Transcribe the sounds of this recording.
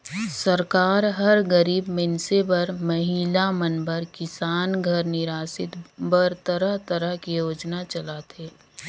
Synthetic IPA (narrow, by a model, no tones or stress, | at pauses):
səɾkaːɾɦɐɾɡəɾiːbmɪnsebɐɾmɐɦiːlamənbəɾkɪsaːnɡʱəɾnɪɾaːsɪt̪bəɾt̪əɾəɦt̪əɾəɦkijoːd͡ʒnat͡ʃəlat̪ʰeː